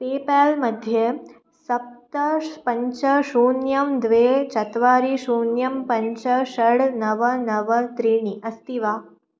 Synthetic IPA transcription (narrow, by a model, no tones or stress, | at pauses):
peːpaːlmɐd̪ʱjɐ | sɐp̚t̪ɐpɐɲt͡ʃɐʃuːnjɐmd̪ʋeːt͡ʃɐt̪ʋaːɾiʃuːnjɐmpɐɲt͡ʃɐʃɐɽnɐʋɐnɐʋɐt̪ɾiɳiʔɐst̪iʋaː